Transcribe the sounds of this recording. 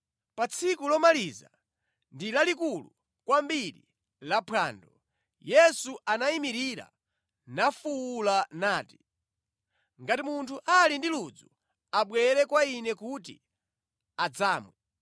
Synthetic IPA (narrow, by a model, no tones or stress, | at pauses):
pat͡sʰikulɔmaliza̰ | ndilalikulu | kwambiɾḭ | lapʰa̰ːndɔ | jɛsuʔanaimiɾiɾa̰ | nafuːlanaːti | ŋɡatimuntʰuʔalindilud͡zu | aɓwɛɾɛkwainɛkut̬ḭ | ad͡zaːmwɛ